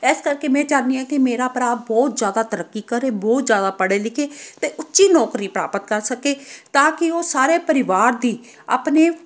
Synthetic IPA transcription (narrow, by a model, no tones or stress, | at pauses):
ɛːskəɾkeːmɛ̃ːt͡ʃãːnd̪iːãːkɪmeːɾaːpəɾaːbɔːt̪zjaːd̪aːt̪əɾəkːiːkəɾeːbɔːt̪zjaːd̪aːpəɽeːlɪkʰeːt̪eːʔʊtːʃiːnɔːkɾiːpɾa̰ːpət̪̚kəɾsəkeːt̪ãːkɪoːsaːɾeːpəɾɪʋaːɾd̪iː | a̰ːpneː